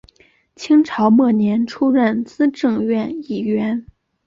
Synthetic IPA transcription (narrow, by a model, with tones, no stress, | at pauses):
t͡ɕʰi˥ŋʈ͡ʂʰɑ˧˥ʊmɤ˥˩njɛ˧˥nʈ͡ʂʰu˥ɻə˥˩nt͡sɹ̩˥ʈ͡ʂɤ˥˧ŋɥɛ˥˩ni˥˩ɥɛ˧˥n